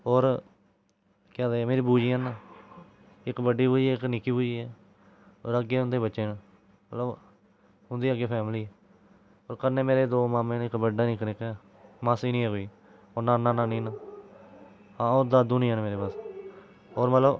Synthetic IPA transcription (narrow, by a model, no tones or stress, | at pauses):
oːɾ | kãːd̪eːmeːɾiːbuːd͡ʒiːãːnãː | ɪkbəɖːiːbuːd͡ʒiɛːknɪkːiːbuːd͡ʒiːɛː | o̰ːɾəɡeːɦʊ̃nd̪eːbətːʃeːnãː | mət̪ləb | ɦʊnd̪iːəɡeːpʰɛːmliːɛː | oːɾkəɾneːmeːɾeːd̪oːmaːmẽːnɪkbəɖaːnĩːkənɪkɛː | maːsiːnĩːɛːɡoiː | onãːnaːnãːnĩːnãː | ãːʊd̪aːd̪uːnĩːəːnːmeːɾeːpaːs | oːɾmət̪ləb